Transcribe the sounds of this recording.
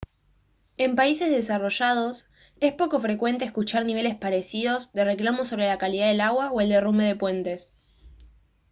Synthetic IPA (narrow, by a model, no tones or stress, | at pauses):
e̞mpaise̞zðe̞saro̞ʃað̞o̞s | e̞spo̞ko̞fɾekwe̞nt̪eːskut͡ʃaɾniβe̞le̞spaɾe̞siðo̞zðe̞re̞klamo̞so̞βɾe̞lakaliðað̞e̞laɣwaoe̞ld̪e̞rume̞ðe̞pwe̞nt̪e̞s